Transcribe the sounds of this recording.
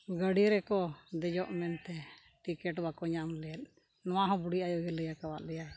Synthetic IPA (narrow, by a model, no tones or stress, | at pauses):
ɡəɽiɾɛkɔd̪ɛd͡ʒɔʔmɛnt̪ɛ | ʈikɛʈbakɔɲamlɛjat̪̚ | nɔwaɦɔ̃buɽiʔajɔɡɛləjakawaʔ̪̚lɛja